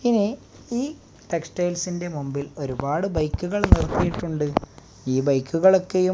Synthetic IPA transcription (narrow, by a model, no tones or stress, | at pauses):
ini | iː | ʈeksʈɐjlsinde̞mumbilo̞ɾubaːɽɨbɐjkːuɣɐɭnirɐk̪ːijiʈːuɳɖɨ | iːbɐjkːuɣɐɭo̞kːe̞ju